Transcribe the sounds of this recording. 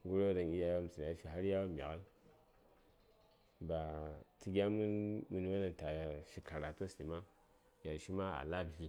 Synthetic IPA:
ɡu˦ɾo˦da˨ni˦ja˦ja˦m˨si˨n˨a˨˦ʃi˦ɦa˦ɾja˦wa˦mʲ˨a̰˨ɣa˦l | ba˨ti˦ɡʲa˦mu˦mu˦ni˦wa˦na˨n˨ta˨ja˨ʃi˨ka˨ɾa˨to˦si˨ma˦ | ja˨ʃi˦ma˦a̰˨la˦bi˨

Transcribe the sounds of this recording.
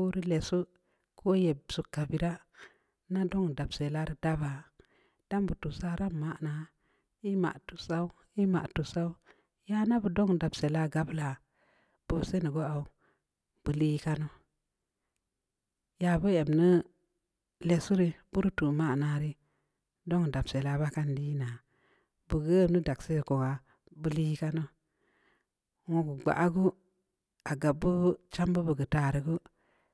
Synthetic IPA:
u˦ɾi˦le˨su˦ | kʰo˦je˨bsu˨kːa˨bi˨ɾa˦ | na˦do˦ŋda˨bse˨la˦ɾi˨da˦ba˨ | d̥a˦mbu˨tu˨sa˦ɾa˦mːa˦ʔna˨ | i˦ma̰˨ʔtu˨sa˦u˦ | i˦ma̰˨ʔtu˨sa˦u˦ | ja˦na˦bu˨do˦ŋda˨bse˨la˦ɡa˦bla˨ | b̥u˨se˦nu˨ɡo˦a˨u˨ | b̥ɨ˨li˦ka˦no˦ | ja˨bu˦e˨mni˦ | le˨su˦ɾi˦bu˦ɾtu˨ma˦˨na˦ɾi˦ | do˦ŋ˨da˨bse˨la˦ba˦ka˦ndi˦na˨ | bu˨ɡə˦˨ni˦da˨kse˦˨ko˨ŋa˨ | bu˦li˦ka˦no˦ | wo˨ɡu˨ɡ͡ba̰˨ʔa˦ɡu˦ | a˨ɡa˨bːu˦t͡ʃa˦mbu˦bu˨ɡə˨ta˨ɾi˨ɡu˦

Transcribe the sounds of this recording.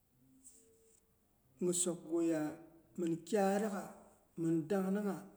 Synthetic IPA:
ŋɨ˨so˨kɡo˨ja˨mɨ˨n˨kʲa˦ɾa˦ɣa˨ | mɨ˨n˨da˦ŋ˦nɨ˦ŋa˨

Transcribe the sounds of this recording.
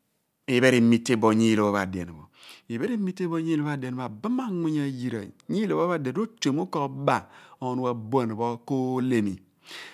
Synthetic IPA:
i˨be˦ɾi˨˦mi˦tːe˦bo˨ɲi˦˨o˨bo˦βa̰˨dḛ˨n˨bo̰˨i˨be˦ɾi˦mi˦tːe˦bo˦ɲi˦o˦βa˦de˨n˨a˨ba˦ma˦ŋʷi˦ɲa˦ji˨ɾa̰˨ɲi˦lo˨˦bo˦βa˦de˨˦o˦t͡ʃo˨mu˦ko˦ba˨o˨nu˦wa˨bo˦˨n˨bo˦ko˦le˦mi˨

